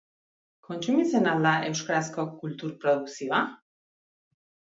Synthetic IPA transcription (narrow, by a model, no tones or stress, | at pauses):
kɔnt͡ʃumisenalaʔewʃkɾaskɔkult̪uɾpɾoðuksiva